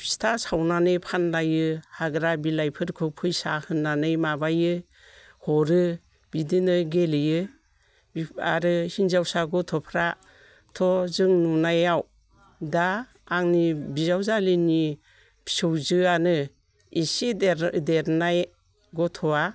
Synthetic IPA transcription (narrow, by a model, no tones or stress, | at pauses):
pʰi̥stʰasawnanɯjpʰanlajɯhaɡɾabilajpʰɯɾkʰɯpʰujsahɯnːanɯjmabajɯ | hɔɾɯ | bidinɯɡelɯjɯ | aɾɯhinzawsaɡɔtʰɔpʰɾa | tʰɔzɯŋnunajaw | daː | ŋnibizawzalini | pʰi̥sowzɯanɯ | isideɾnaj | ɡɔtʰɔa